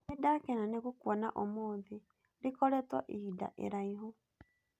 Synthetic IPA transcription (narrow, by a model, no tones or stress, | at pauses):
idakɛnaneɣukwɔna̰ʔɔmoːði | ɾikɔɾɛtwɔ̰ʔiida̰ʔḛɾaiɦo